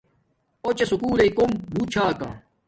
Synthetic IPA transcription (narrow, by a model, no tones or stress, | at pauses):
ot͡ɕesukuːleikombʱuːt͡ɕʰaːkã̰ː